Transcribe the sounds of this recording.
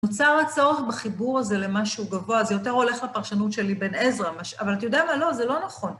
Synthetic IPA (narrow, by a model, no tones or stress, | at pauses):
not͡saʁat͡so̞ʁeχbaχibuʁaze̞le̞maʃuuɡavo̞azejo̞te̞ʁo̞le̞χlapaʁʃanutʃe̞libe̞nezʁamaʃavalatajo̞d̪eamalo̞zelo̞naχo̞n